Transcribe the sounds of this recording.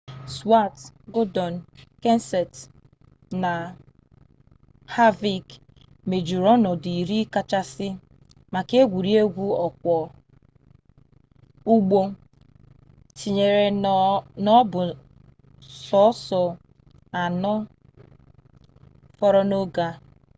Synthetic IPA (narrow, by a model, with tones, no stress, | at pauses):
swa˦˨tɡo˦dɔ˨n˨ke˦n˦sɛ˨t | na˨ | ha˦vi˨k | me˨d͡ʒu˨ɾɔ˦nɔ˨di˨i˨ɾi˦ka˦t͡ʃa˦sɪ˦ | ma˨ke˦ɡʷu˨ɾi˦e˦ɡʷu˦ɔ˨k̚ʷɔ˨ | u˦ɡ͡bo˦ | ti˨ɲe˨ɾe˨ | nɔ˦bʊ˨ | sɔ˦sɔ˨ | a˨nɔ˦ | fɔ˦ɾɔ˦no˦ɡa˦